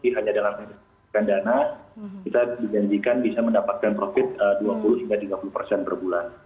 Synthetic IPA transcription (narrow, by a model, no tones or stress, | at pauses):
iɦaɲadalamidɪ | kandanakit̪adid͡ʒaɲd͡ʒikanbisaməndapat̪̚kanpɾofɪt̪̚əduapulʊht̪imbat̪iɡapulupərsɛnbərbulan